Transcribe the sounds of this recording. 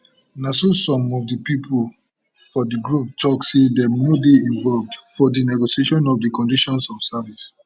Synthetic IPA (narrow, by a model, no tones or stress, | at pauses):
nasosɔ̃mɔvdipipʰol | fɔdiɡɹup̚tʰɔksedɛnodeĩnvɔlvdfɔdinɛɡoʃieʃɔ̃nɔvdikɔ̃ndiʃɔ̃nsɔfsavis